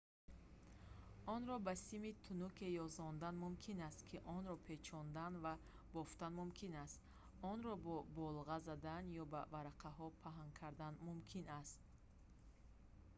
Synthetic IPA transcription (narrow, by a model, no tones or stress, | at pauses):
ɔnɾɔbasimit̪ʰunukʰe̞jɔzɔnd̪anmumkʰinast̪kʰiʔɔnɾɔpʰe̞t͡ʃʰɔnd̪anva | bɔft̪anmumkʰinast̪ | ɔnɾɔbɔbɔlʁazad̪anjɔbavaɾaqʰaɦɔpʰaɦaŋkʰaɾd̪anmumkʰinast̪̚